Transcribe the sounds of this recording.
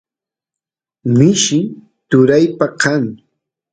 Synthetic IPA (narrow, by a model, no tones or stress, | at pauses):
mɪʃɪ | t̪ʊɾajpakaŋ